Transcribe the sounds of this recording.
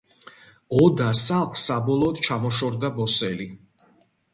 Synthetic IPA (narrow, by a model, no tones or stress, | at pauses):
ɔd̪asalˠχsabɔlˠɔːd̪̥t͡ʃʰamɔʃɔɾd̪abɔsɛli